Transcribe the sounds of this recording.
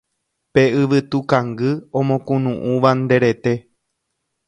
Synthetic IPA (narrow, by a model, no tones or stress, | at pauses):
pe̞ɨʋɨt̪ukãŋɡɨõmõkũnũʔũʋand̪e̞ɾe̞t̪e̞